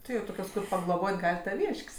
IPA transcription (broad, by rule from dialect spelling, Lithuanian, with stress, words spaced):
ˈtʲɪ ˈjɛʊ ˈtoːkʲoːs kʊr pɐɡlˠoːˈboːtʲ ˈɡɐlʲ tɐˈʋʲiːʃʲkʲsʲ